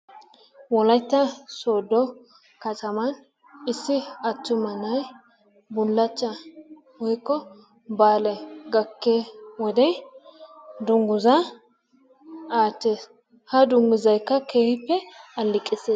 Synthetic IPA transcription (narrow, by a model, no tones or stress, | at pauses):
wɔlɐjt̪ːɐsoːd̪ːɔ | kɐt̪ʰʼɐmɐn | ɪsːɪɐt̪ːʊmɐnɐj | bʊlːɐt͡ʃːɐ | wɔjkʼːɔ | baːlɛɡɐkːeːwɔd̪ɛj | d̪ʊŋɡʊzɐ | aːt̪ːe̞ːs | hɐd̪ʊŋɡʊzɐjkːɐkʰeːhɪpːɛɐlːɪkʼːɪseː